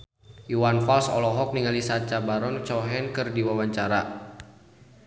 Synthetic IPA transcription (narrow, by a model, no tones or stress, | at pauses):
juwanfalsɔ̰lɔɦɔk̚niŋalisat͡ʃabaɾɔnt͡ʃɔɦɛnkɨrdiwawaɲt͡ʃaɾa